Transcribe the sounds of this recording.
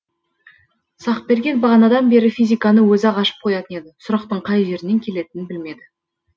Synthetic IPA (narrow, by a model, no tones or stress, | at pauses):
sɑqbe̞ɾɡʲe̞nbɑʁɑnɑd̪ɑnbe̞ɾɪfijzʲijkɑnəwɵzɑʁɑʃə̥p̚qʰo̞jɑt̪əne̞d̪ɪsʊɾɑq̚t̪əɴqʰɑjʒe̞ɾɪne̞ŋkʲʰe̞le̞t̪ɪnɪnbɪlme̞d̪ɪ